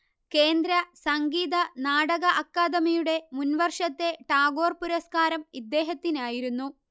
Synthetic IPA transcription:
ke̞ːnd̪ɾɐsɐŋɡiːðɐnaːɽɐɣɐʔɐkːaːd̪ɐmijuɽe̞munʋɐrʂɐt̪ːe̞ʈaːɡo̞ːrpuɾɐskaːɾɐmid̪ːe̞ːɦɐt̪ːinaːjiɾunːu

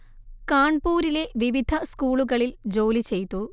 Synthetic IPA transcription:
kaːɳpuːɾile̞ʋiʋid̪ʱɐskuːɭuɣɐɭild͡ʑoːlit͡ɕe̞jt̪ːu

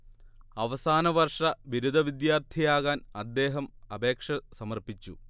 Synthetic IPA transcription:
ɐʋɐsaːnɐʋɐrʂɐʋiɾud̪ʱɐʋid̪jaːrt̪ʰijaːɣaːnɐd̪ːe̞ːɦɐmɐbe̞ːkʂɐsɐmɐrpit͡ɕːu

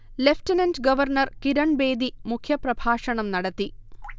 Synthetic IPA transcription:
lefʈinɐntɡɐʋɐrnɐrkiɾɐɳbe̞ːd̪imukʰjɐprɐbʱaːʂɐɳɐmnɐɽɐt̪ːi

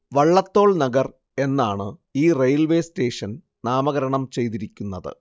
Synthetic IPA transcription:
ʋɐɭːɐt̪ːo̞ːɭnɐɡɐr | e̞nːaːɳɨiːrejɐlʋe̞ːste̞ːʂɐn | naːmɐɣɐɾɐɳɐmt͡ɕe̞jt̪̬iɾikʲːunːɐðɨ̰

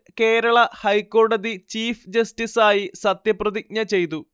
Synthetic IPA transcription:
ke̞ːɾɐɭɐhɐjkːo̞ːɽɐd̪it͡ɕiːfd͡ʑɐstisaːjisɐt̪jɐprɐðik̚ɲɐt͡ɕe̞jt̪u

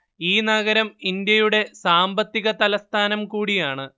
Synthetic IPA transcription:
iːnɐɣɐɾɐmind̪jɐjuɽe̞saːmbɐt̪ːiɣɐt̪ɐlɐst̪ʰaːnɐmkuːɽijaːɳɨ

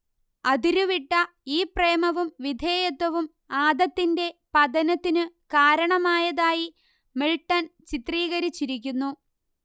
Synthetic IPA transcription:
ɐd̪iɾuʋiʈːɐ | iːpreːmɐʋumʋid̪ʱe̞ːjɐt̪ːɐʋum | aːd̪ɐt̪ːinde̞pɐd̪ʱɐnɐt̪ːinɨkaːɾɐɳɐmaːjɐðaːji | miɭʈːɐnt͡ɕit̪riːɣɐɾit͡ɕːiɾik̬ʲːunːu

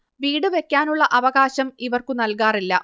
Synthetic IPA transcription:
ʋiːɽɨʋe̞kʲːaːnuɭːɐʔɐʋɐɣaːɕɐmiʋɐrkunɐlkaːrilːɐ̰

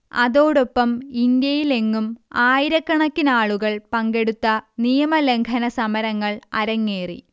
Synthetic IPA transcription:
ɐ̰ðo̞ːɽopːɐmind̪jɐjile̞ŋːumaːjiɾɐkːɐɳɐkːinaːɭuɣɐɭpɐŋɡe̞ɽut̪ːɐnijɐmɐle̞ŋkʰɐnɐsɐmɐɾɐŋːɐɭɐɾɐŋːeːrḭ

